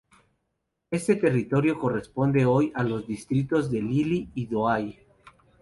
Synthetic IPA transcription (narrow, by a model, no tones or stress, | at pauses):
e̞st̪e̞t̪e̞rit̪o̞ɾjo̞ko̞respo̞nd̪e̞o̞jalo̞zd̪ist̪ɾit̪o̞zðe̞liliːðoaj